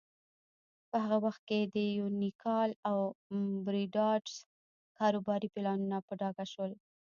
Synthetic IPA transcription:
pəhaɣawaxt̪̚ked̪əjunikʰɑlawbɾiɖɑɖs | kɑɾobɑɾipɪlɑnunapəɖɑɡaʃwəl

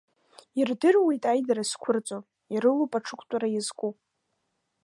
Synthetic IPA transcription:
irdɨrwejtʼajdaɾaskʷʰʊrt͡sʼo | iɾɨlupʼaʈ͡ʂʰɨkʷʰʼtʼaɾajazkʷʼu

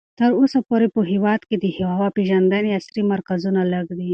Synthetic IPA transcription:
t̪əɾosapoɾepəɦewɑd̪ked̪əhwwɑpeʒand̪aneasɾimaɾkazunalaɡd̪i

